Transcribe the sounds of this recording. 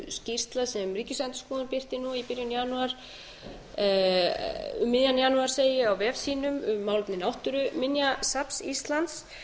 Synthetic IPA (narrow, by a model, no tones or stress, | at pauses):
scir̥st̪lasɛmriːcɪsɛnt̪ɪ̥skɔːðʏnpɪr̥t̪ɪnuipɪɾjʏnjanuaɾ̥ | ʏmːɪðjanjanuaɾ̥seːjɪawvɛːvsiːnʏmʏmːaːwlʏpnɪnawht̪ʏɾʏmɪnjasapsist̪lant̪s